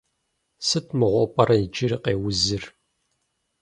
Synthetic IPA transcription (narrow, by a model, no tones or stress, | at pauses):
sɨtʰmɨʁʷɔpʼɐɾɐjid͡ʒɪɾiqḛːwʊzɨr